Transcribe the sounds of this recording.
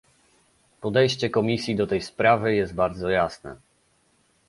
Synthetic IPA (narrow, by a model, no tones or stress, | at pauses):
pɔd̪ɛjɕt͡ɕɛkɔmʲisʲjid̪ɔt̪ɛjspɾavɘjɛst̪̚baɾd̪zɔjasnɛ̰